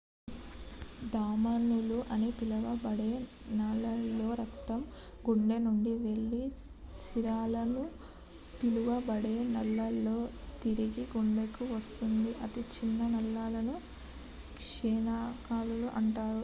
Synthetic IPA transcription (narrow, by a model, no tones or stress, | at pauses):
d̪aːmɐnuluʔɐnipilɐʋɐbɐɽeː | nɐlːɐlːo̞ːɾɐkt̪ɐm | ɡuɳɖenuɳɖiʋe̞ɭːisiɾaːlɐnu | piluʋɐbɐɽeːnɐlːɐlːo̞ː | t̪iɾiɡiɡuɳɖekuʋɐst̪und̪iʔɐt̪it͡ʃinːɐnɐlːaːlɐnu | kʂɛːnaːkaːluluʔɐɳʈaːɾu